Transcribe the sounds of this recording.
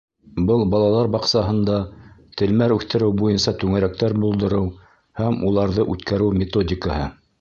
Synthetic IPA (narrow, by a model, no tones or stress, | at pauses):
bɤlˠbɑlˠɑlˠɑɾbɑqsɑɦɤ̆nd̪ɑt̪ɘ̆lmæɾʉθt̪ɘ̆ɾɘwbujɤnsɑt̪ʉŋæɾæk̚t̪æɾbulˠd̪ɤ̆ɾɤw | hæmulˠɑɾðɤʔʉt̪kæɾɘwmʲɪt̪odʲɪkəhɤ